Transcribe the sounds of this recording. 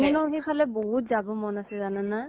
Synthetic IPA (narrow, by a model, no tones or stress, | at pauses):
mɔnɔɦipʰalɛboɦutzabɔmɔnasɛzananːa